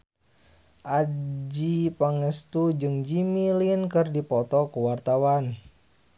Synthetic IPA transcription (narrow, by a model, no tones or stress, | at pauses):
ʔad͡ʒipaŋəst̪ud͡ʒɨŋd͡ʒimilinkɨrdipɔt̪ɔkuwart̪awan